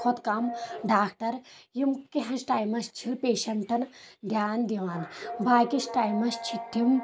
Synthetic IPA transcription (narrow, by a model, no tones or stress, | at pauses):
kʰut̪kamɖaːk̚ʈɐɾjimkiɦɐ̃sʈaːjmɐst͡ʃʰipeːʃɐɳʈɐnd̪ʱjaːnd̪iʋaːnbaːkisʈaːjmɐst͡ʃʰit̪ʰːim